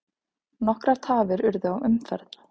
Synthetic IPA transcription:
nɔhkɾaɾ̥t̪ʰaːvɪɾʏɾðʏawʔʏmfɛɾð̥

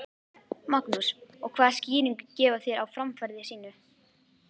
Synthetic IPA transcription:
maknusɔɣkʰv̥aːðsciːɾiŋkcɛːvaθjɛɾawfɾamfaɾðɪsiːnʏ

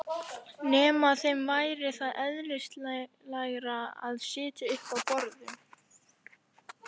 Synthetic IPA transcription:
nɛːmaθejmvaːjɾɪθaðʔɛðlɪst̪l | laɣɾaa̰ðsɪːt̪ɪʏhpawpɔɾðʏm

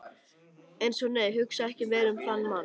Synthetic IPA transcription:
ejnsɔneːjɦʏksaɛhcɪvɛːɾʏmθanːman

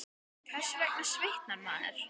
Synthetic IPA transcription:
kʰvɛ̥sɪvɛk̚nasvɪht̪naɾma̰ːnɛ̰ɾ̥

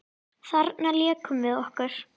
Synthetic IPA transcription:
θaɾt̪naljɛːkʰʏmvɪðɔhkaɾ̥

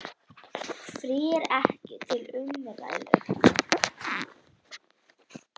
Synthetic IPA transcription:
fɾiːɾɛhcɪt̪ʰɪlʏmːɪɾva̰jlʏ̰

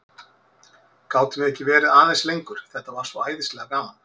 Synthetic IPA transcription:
kaːwt̪ɪmɪɛhcːɪvɛːɾɪðaːðɛslejŋkʏɾ̥θɛht̪ːavaɾ̥svɔwaːjðɪstlɛːɣakaːman

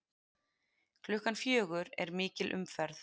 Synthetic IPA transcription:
kʰlʏhkanfjœːɣʏɾɛ̰ɾmɪːcɪlʔʏ̰mfɛɾθ

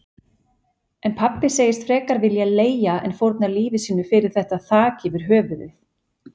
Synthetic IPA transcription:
ɛnpʰapːɪseːjɪst̪fɾɛːkaɾvɪljaleːjaɛ̰nfowɾt̪naliːvɪsiːnːʏfɪɾɪɾ̥θɛht̪aθaːcɪvɪɾ̥ɦœːvʏðɪθ

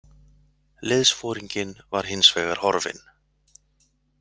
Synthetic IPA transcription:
lɪðsfɔːɾiɲcɪnvaɾ̥hɪnsvɛːɣaɾ̥hɔɾvɪ̰n

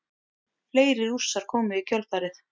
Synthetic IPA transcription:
leːjɾɪɾur̥saɾ̥kʰɔːmɪðicʰœlθaːɾɪθ

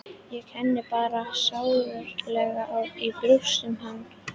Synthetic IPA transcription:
jɛɣhɛnːɪpaːɾasaːwvœɾ̥klɛɣaʔawipɾusʏmhan

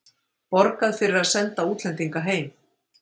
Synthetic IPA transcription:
pɔɾkaðfɪɾɪɾaðsɛnt̪auːt̪lɛnt̪iŋkaɦeːjm

